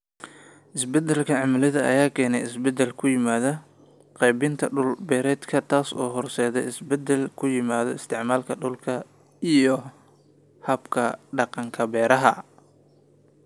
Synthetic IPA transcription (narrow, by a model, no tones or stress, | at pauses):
ʔɪsbɛd̪ɛlkʰɐʕɑmɐlɪðɐʔɐ̰jaːkʰɛːnɛjɪsbɛd̪ɛlkʰʊjɪmaːðɐ | qɛjbɪnt̪ʰɐɖʊlbɛːɾɛːd̪kʰɐt̪ʰaːsɔ̰ːɦɔrsɛːðɛ̰ɪsbɛd̪ɛlkʰʊjɪmaːðɔɪst̪ʰɪʕmaːlkʰɐɖʊlkʰɐ | ijɔ | hɐbkʰɐɖɑqɑŋkʰɐbɛːɾɐɦɐ̰